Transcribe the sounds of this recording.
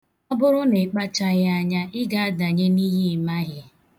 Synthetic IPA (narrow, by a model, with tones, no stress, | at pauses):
ɔ˦bʊ˦ɾʊ˦ne˨k͡pa˦t͡ʃa˦ɣɪ˦a˦ɲa˦ʔɪ˦ɡa˦a˦da˨ɲe˦ni˦ɦi˦˨ma˦ɣɪ˦